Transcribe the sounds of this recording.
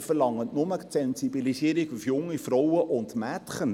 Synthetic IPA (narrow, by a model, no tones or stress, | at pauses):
fəɾlɑŋːətnʊmət͡sɛnsibilisiəɾikufjʊŋːifɾɔwəʔʊntmætχən